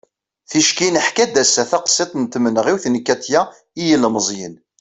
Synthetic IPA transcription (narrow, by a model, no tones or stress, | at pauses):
θiʃkinəħkæd̪æsːæθɑqsˤːet̪ˤnt̪mənʁiwθnəkːæt̪jæ | ijəlməzˤjən